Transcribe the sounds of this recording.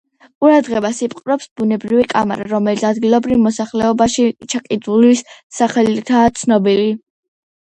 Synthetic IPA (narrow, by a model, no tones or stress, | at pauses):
qʼuɾad̪ʁɛbasipʼqʼɾɔpsbunɛbɾivikʼama̰ɾaɾɔmɛlit̪sʰad̪ɡilˠɔbɾivmɔsaχlɛɔbaʃit͡ʃʰakʼid̪ulisːaχɛlit̪ʰaːt̪sʰnɔbili